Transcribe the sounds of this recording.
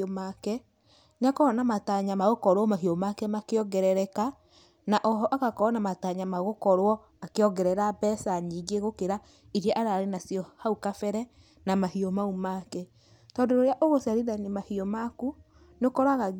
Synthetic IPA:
omakɛ | neakɔɔnamataɲamaɣokɔɾwɔmaɦiomakɛmakeɔɡɛɾɛɾɛka | naʔɔɦɔʔakakɔɔnamataɲamaɣokɔɾwɔ | akeɔɡɛɾɛɾabɛsaɲiːɡeɣokeɾa | iɾjɛʔaɾaːɾenasjɔhaukafɛɾɛ | namahiɔmaumakɛ | tɔndoɾoɾeaʔoɣosaɾiɾanemahiɔmaku | nokɔɾaɣa

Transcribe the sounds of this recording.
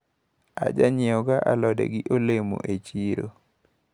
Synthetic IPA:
a̰d͡ʒaɲɪɔɡaʔalɔdḛɡɪʔolemo̰ʔet͡ʃiɾo

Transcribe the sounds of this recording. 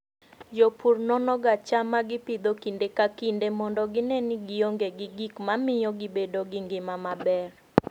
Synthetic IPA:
d͡ʒopʰurnɔnɔɡat͡ʃamaɡɪpid̪okindekakindemɔndɔɡɪnɛnɪɡɪoŋɡeɡɪɡikmamɪjɔɡɪbedoɡɪŋɡɪmamabɛr

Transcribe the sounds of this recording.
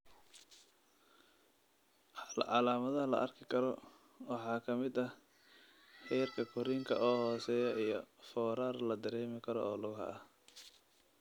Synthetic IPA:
lʕɑlaːmɐðɐɐlɐ̰ʔɐrkʰɪkʰɐɾɔ | wɑħɑːkʰɐmɪd̪ɐ | ħɛjrkʰɐkʰʊɾiːŋkʰɐʔɔːhɔːsɛːjɐʔijɞfɔːɾaːrlɐd̪ɐɾɛːmɪkʰɐɾɔ̰ɔːlʊɣɦɐ̰ɐh

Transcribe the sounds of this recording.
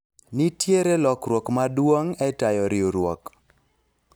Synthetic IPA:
nitjeɾelɔkɾwɔkmadwoŋɛtajɔɾɪoɾwɔ̰k

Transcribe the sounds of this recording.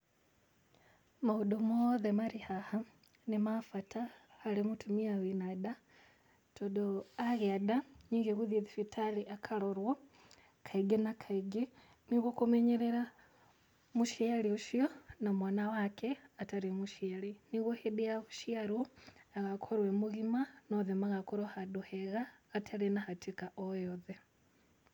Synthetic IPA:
mahuɗɔmɔðɛmaɾihaha | nimafatʰahalimutʰumiawinaɗa | tɔɗɔaɣɛaɗaɲiŋɡɛɣuðiðifitʰaliʔakʰalɔɾwɔ | kʰaiɡɛnakʰaiɡɛ | niɣwokumɛɲeɾeɾa | muʃalioʃionamwanawakʰeataɾemuʃialiniɣwohedijaβuʃiaɾoaɣakʰoɾwemuɣimanoðemaɣakoɾwahaɗuheɣaːtʰalenahatikaʔojoðe

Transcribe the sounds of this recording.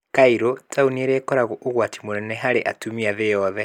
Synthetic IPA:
kaiɾotʰaunieɾekɔɾaɣoʔoɣwati̥monɛnɛɦaɾeʔa̰tumiaðejɔðɛ

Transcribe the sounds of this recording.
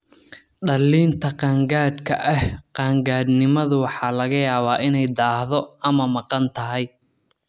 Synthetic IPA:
ɖɐlːiːnt̪ʰɐqɑːŋɡaːd̪kʰɐʔɐhqɑːŋɡaːd̪nɪmɐðʊwɑħɑːlɐɣɐjaːβaːʔɪnɛjd̪aːhðɔɐmɐmɑqɑnt̪ʰɐɦɛj

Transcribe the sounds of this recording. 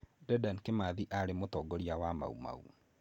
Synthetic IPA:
dɛdankemaðiʔaɾemotɔːɡɔɾiawama̰ṵma̰ṵ

